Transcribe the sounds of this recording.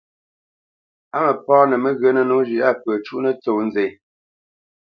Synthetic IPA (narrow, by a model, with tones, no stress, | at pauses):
a˦mə˨pɔː˦nə˨mə˦ɣə˨˦nə˦no˦ʒi˨ʔa˦pə˨t͡ʃu˦nə˦t͡so˨n̩ze˨